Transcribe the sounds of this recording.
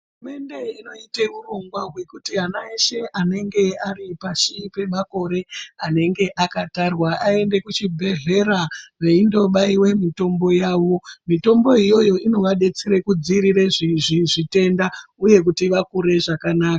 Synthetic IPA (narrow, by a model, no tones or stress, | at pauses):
ɦɦurume̞nde̞ino̞ite̞uroŋɡwaɦwe̞kutiɦanaiʃe̞ʔane̞ŋɡe̞aripaʃipe̞mako̞ɾe̞ane̞ŋɡe̞ʔakatarwaʔae̞nde̞kut͡ʃibʱe̞ɮe̞ɾaʋe̞indo̞ɓaiwe̞mito̞mbo̞jaːʋo̞mito̞mbo̞ijo̞jo̞ino̞ʋaɗe̞t͡seɾekud͡ziɾire̞ʐiʐiʐite̞ndauje̞k̬utiʋakuɾe̞ʐakanaːka